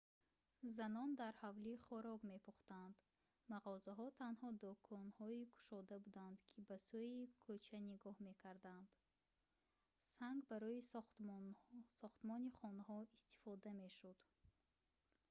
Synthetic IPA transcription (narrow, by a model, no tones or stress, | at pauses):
zanɔnd̪aɾhavliχɔɾɔɡme̞pʰuχt̪and̪ | maʁɔzaɦɔt̪ʰanhɔd̪ɔkʰɔnhɔikʰu̥ʃɔd̪abud̪and̪kʰibasuikʰɔt͡ʃʰaniɡɔhme̞kʰaɾd̪and̪̥ | saŋɡbaɾɔisχt̪ | sɔχt̪mɔniχɔnɦɔist̪i̥fɔd̪ame̞ʃud̪